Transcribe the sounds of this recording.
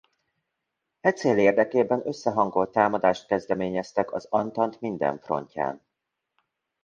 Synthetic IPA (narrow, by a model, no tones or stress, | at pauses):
hɛt̪seːleːrd̪ɛkeːbɛnø̞sːɛɦɒŋɡo̞lt̪ːaːmɒd̪aːʃt̪̚kɛzd̪ɛmeːɲɛst̪ɛkɒzɒnt̪ɒnt̪mind̪ɛ̰ɱfro̞̰ɲca̰ːn